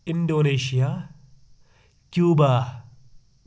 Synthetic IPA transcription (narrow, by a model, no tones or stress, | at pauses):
ɪndoneːʃija | kjuːba